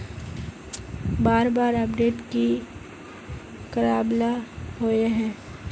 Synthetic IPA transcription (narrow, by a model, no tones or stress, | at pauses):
baːɾbaːɾɐpɖeːʈki | kəɾaːblaɦoeɦɛ̃ː